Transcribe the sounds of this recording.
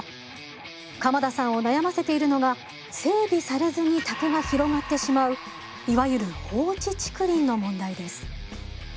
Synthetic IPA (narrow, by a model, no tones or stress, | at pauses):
kamad̪asãɰ̃o̞najamase̞t̪e̞iɾɯ̟no̞ɡa | se̞ːbʲisaɾezɨɲ̟it̪akɯ̟ɡaçiɾo̞ŋat̪ːe̞ɕimaɯ̟ | iβajɯ̟ɾɯ̟ho̞ːt͡ɕit͡ɕi̥kɯ̟ɾʲĩnːo̞mõ̞nd̪aid̪e̞sɨ̥